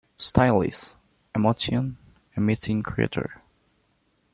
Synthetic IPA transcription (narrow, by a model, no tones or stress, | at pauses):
stʰaɪlˠḭs | ɛmosiə̃n | ɛmitʰɪ̃ŋkʰɹḭtʰə̰˞